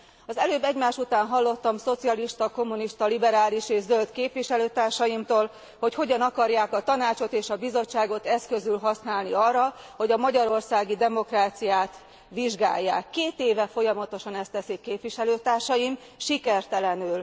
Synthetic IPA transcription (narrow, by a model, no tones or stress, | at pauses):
ɒzɛløːbːɛɟmaːʃut̪aːnɦɒlːo̞t̪ːɒmso̞t̪sijɒliʃt̪ɒko̞mːuniʃt̪ɒlibɛɾaːliʃeːʒzølt̪keːpʋiʃɛløːt̪aːrʃɒjimt̪oːl | ho̞cho̞ɟɒnɒkɒrjaːkɒt̪ɒnaːt͡ʃo̞t̪eːʃɒbizo̞t͡ʃːaːɡo̞t̪ɛskø̞zylɦɒsnaːlniɒrːɒ | ho̞ɟɒmɒɟɒɾo̞rsaːɡid̪ɛmo̞kraːt̪sijaːt̪ | ʋiʒɡa̰ːjːa̰ːkːeːt̪eːvɛfo̞jɒmɒt̪o̞ʃɒnɛst̪ɛsikːeːpʋiʃɛløːt̪aːrʃɒjim | ʃikɛrt̪ɛlɛnyl